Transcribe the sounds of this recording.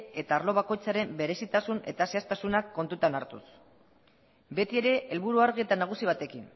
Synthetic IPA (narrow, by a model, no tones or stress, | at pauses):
e̞t̪aːɾlo̞β̞ako̞jt͡saɾe̞mbe̞ɾe̞sit̪asune̞̰t̪ase̞ast̪asunakːo̞nt̪ut̪anaɾt̪ṵs | be̞t̪ie̞ɾe̞ʔelβuɾuaɾɣie̞t̪anaɣ̞usiβ̞at̪e̞kin